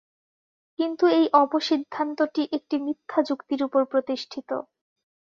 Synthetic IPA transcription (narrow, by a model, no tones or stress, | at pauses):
kint̪uejʔɔboʃid̪ʱːant̪oʈiʔek̚ʈimit̪ʰːad͡ʑukt̪iɾupoɾpɾot̪iʃʈʰit̪o̰